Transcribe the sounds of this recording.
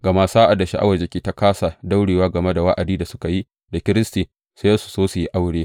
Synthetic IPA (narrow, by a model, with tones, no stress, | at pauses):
ɡɐ˨ma˦saː˦ʔa˨da˨ʃḭ˦ʔa˦wɐ˨d͡ʒe˨kʲiː˦ta˦kaː˦sa˨da˦wɽeː˨waː˦ɡɐ˨me˦da˨wa˦ʔa˨diː˦da˨sʊ̥˦ka˨ji˦ | da˨kʲɪ˦ɾɪ˦stiː˨ | sjɐ˦su̥˨soː˦su˨ji˦ʔa˦wɽeː˦